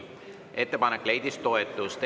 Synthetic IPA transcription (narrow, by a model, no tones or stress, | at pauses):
ʔe̞t̪ːe̞pɑnekːˑle̞jd̪ist̪o̞et̪ːˑust̪